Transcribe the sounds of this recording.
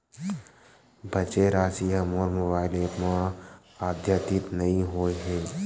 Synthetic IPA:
bʱɐt͡ʃeɾaːsijamoːɾmobaːɪleːpmã | aːd̪ʱjət̪ɪt̪nɐɦĩɦoːeɦɛ̃ː

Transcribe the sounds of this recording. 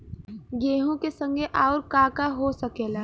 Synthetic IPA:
ɡeːɦõkesə̃ŋɡʱeʔaːʊɾkaːkaɦosəkeːlaː

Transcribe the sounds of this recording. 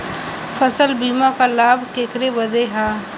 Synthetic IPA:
fəsəlbiːmakalaːbkeːkɾebɐd̪eɦaː

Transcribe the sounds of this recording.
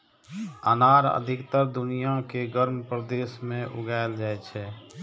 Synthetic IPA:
ə̰naɾə̰d̪ʱikt̪əɾd̪unijakeɡəɾmpɾəd̪esmẽʔṵɡaeld͡ʒaɛt͡ʃʰɛ

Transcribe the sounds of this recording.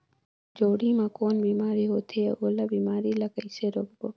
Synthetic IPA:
d͡ʒoːɽiːmãːkoːnbiːmaːɾiːɦoːt̪ʰeoːlaːbiːmaːɾiːlakəɪseːɾoːkboː

